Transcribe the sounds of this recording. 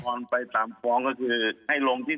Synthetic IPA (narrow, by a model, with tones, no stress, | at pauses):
ɔː˧npa˧jt̪aː˨˩mkɔː˧ŋkɔː˥˩kʰɯː˧ha˥˩jlo˧ŋt̪ʰiː˥˩